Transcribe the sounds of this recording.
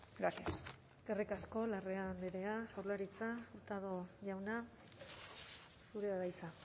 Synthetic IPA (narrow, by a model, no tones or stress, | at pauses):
ɡɾasias | eskerikasko̞lare̞and̪eɾe̞asawlaɾit͡saut̪aðoʝawna | suɾe̞βaɾajt͡sa